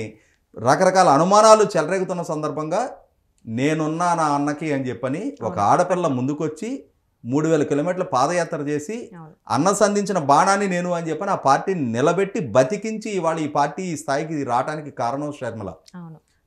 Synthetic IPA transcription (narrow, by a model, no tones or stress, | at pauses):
ɾɐkɐɾɐkaːlɐːnumaːnaːlut͡ʃɛlɐɾe̞ːɡut̪unːɐsɐnd̪ɐɾbʱɐŋɡaː | ne̞ːnunːaːnɐɐnːɐkiːɐnid͡ʒɛpːɐniɔkɐa̰ːɽɐpɛlːɐmund̪ukʋot͡ʃːi | muːɽuʋɛːlɐkilo̞ːmiːʈɐlupaːd̪ɐjaːt̪ɾɐt͡ʃe̞ːsiɐ̰nːɐsɐnd̪ʱiɲt͡ʃinɐbaːɳaːnːine̞ːnuɐnid͡ʒɛpːɐniaːpaːɾʈiːninɪlɐbeʈːibɐt̪ikiɲt͡ʃiːʋaːɭɐiːpaːɾʈiːiːst̪ʰaːjik̬iɾaːʈaːnikikaːɾɐɳɐmʃɾɐɾmɐlɐ̰